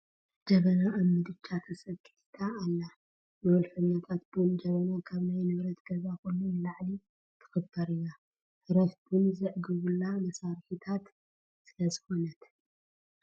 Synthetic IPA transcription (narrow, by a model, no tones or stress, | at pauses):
d͡ʒɐβɐnaːmːɨd̪ɨt͡ʃʰːat̪ʰɐsɐkʼːiħt̪ʰaːlːa | nɐwɔlfɐɲːat̪ʰat̪̚bɨnd͡ʒɐβɐnakʰaβnajnɨβɾɐt̪ɡ̥ɐzakojnunlaʕli | t̪ʰɨ̥xɨbɐɾɨna | hɨɾɐsbɨnzɨʕɡɨβulːamɐsaɾħit̪ʰat̪ | sɨlɐzɨxo̞nɐt̪